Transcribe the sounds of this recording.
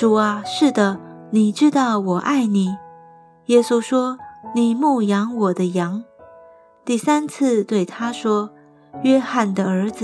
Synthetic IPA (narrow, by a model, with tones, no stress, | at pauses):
ʈ͡ʂu˨˩ɐ˧˦ʂɻ̩˥˩d̪ə˩ni˨˩ʈ͡ʂɻ̩˥t̪ɑ˥˩ʊwɔ˨˩ʔa˥˩ɪni˨˩˦ | jɛ˥su˥ʂwɔ˥ni˨˩mu˥˩jɑ˧˥ŋwɔ˨˩d̪ə˦jɑ˧˥ŋ | t̪i˥˩sa˥nt͡s̩ʰ˥˧t̪we˥˩ɪt̪ʰa˥ʂwɔ˥ | ɥɛ˥xa˥˩nd̪ə˧ə˞˧˥d͡z